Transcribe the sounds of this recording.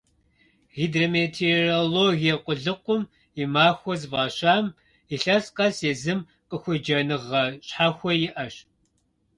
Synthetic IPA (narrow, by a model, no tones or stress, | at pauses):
ɣiːdromeːtʰeroloːɣijɛqʷʼʊɮɨqʷʊm | imaːxʷɔzɨvaːɕaːm | iɬɐsqʼɐseːzɨm | qʼəxʷʊd͡ʒɐnɨʁɐɕħaːxʷɔjɪʔɐɕ